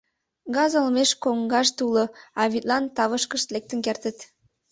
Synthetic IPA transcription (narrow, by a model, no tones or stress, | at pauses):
ɡɑzəlmeʃkoŋɡɑʃt̪uləɑβʲit̪lɑnt̪ɑβəʃkəʃt̪lek̚t̪ənkert̪ət̪